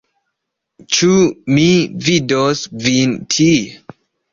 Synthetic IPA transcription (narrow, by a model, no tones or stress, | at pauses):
t͡ʃumividosvintʰi